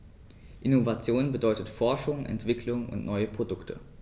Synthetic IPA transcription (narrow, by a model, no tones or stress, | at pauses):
ʔɪnovat͡sjoːnbədɔʏtətfɔɐʃʊŋʔɛ̰ntv̥ɪkʰlʊŋʊ̰ntnʔɔʏəpʁ̥odʊktʰə̰